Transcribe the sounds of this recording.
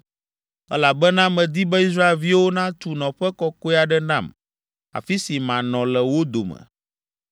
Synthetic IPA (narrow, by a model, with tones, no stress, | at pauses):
ɛ̰˦la˨bɛ˦nã˦mɛ̃˨d̪i˦bɛ˦i˦s̬ɾa˦e˨lvi˦wo˦nã˦t̪u˨nɔ̃˨ɸɛ˦kɔ˦ko˦ɛ˦a˨ɖɛ˦nã̰˦˨m | a̰˨fi˦si˨mã˨nɔ̃˨lɛ˨wo˦d̪o˨mɛ̰̃˨